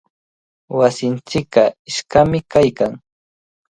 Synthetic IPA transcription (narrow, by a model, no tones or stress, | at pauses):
wasɪnt͡ʃɪkɢɑɪʃkamɪkajkaŋ